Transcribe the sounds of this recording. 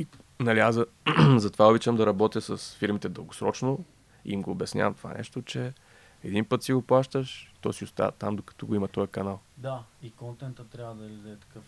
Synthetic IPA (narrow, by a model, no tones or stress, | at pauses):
i | nɐliaz | zɐt̪ovaobit͡ʃəmd̪ɐɾɐbɔt̪jəsəsfiɾmit̪ɛd̪əlˠɡosɾɔ̰t͡ʃno | ḭimɡoːbɛsnʲa̰vəmt̪o̥va̰nʔɛ̰ʃt̪ot͡ʃɛ | ɛd̪inpɤt̪siɡoplˠaʃt̪əʃt̪ɔsiʊst̪a̰və̰t̪a̰md̪okɐ̥t̪ɔɡoimɐt̪ɔjəkɐnalˠd̪aikɔnt̪ɛnt̪ət̪ɾʲavəd̪ɐlʲɛd̪ɛt̪ɐ̥kɤf